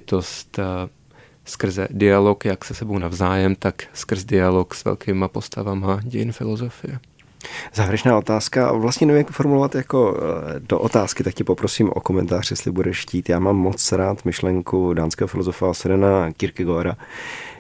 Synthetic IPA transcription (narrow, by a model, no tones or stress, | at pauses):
t̪ost̪ | skr̩zɛdɪalokjaksɛsɛbownavzaːjɛmt̪akskr̩zdɪaloksvɛ̰lkʰiːmapo̞st̪avamaɟɛjɪnfɪlozofɪjɛ | zaːvjɛɾɛt͡ʃnaːʔo̞t̪aːska̰vlast̪ɲɛnɛvimɛkfoɾmulovat̪jako̞do̰ʔot̪aːskɪt̪ak̚cɛpo̞pɾosiːmʔo̞̰komɛnt̪aːr̥jɛst̪lɪbudɛʃsciːt̪jaːmaːmːot͡sɾaːt̪mɪʃlɛŋkudaːnskɛːɦofɪlozofaasɛɾɛnakɪɾkɪɡoɾa